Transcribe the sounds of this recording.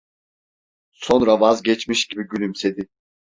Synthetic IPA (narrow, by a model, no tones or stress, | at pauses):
so̞nɾavazɟɛt͡ʃmiʃɟibiɟylʲymse̞d̪i